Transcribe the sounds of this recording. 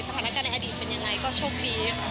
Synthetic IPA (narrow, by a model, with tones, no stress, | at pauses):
sa˧t̪ʰaː˧˦na˦kaː˧nːa˧ʔa˧diː˨˩t̪̚pe˧nja˧ŋːa˧jkɔː˥˩t͡ɕʰoː˥˩k̚diː˧kʰ